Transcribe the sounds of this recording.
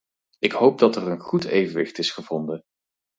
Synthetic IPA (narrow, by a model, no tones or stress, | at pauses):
ɪkɦowp̚dɑtɛrənχutḛjvənʋɪ̰χtɪsχəv̥ɔndən